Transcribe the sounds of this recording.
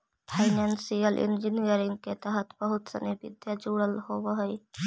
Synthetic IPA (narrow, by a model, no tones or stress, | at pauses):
pʰaɪnansiəlʔɪ̰nd͡ʒɪnijəɾɪ̃ŋɡ̚ket̪əɦət̪ʰbəɦʊt̪sə̰nibɪ̰d̪jad͡ʒuːɽəlhoːwɦəi